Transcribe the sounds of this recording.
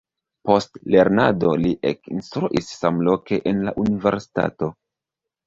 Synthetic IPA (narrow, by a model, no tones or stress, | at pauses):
po̞stle̞ɾnado̞liʔḛkinstɾuʔisːamlo̞ke̞ʔenlaʔunive̞ɾsi̥ta̰to̞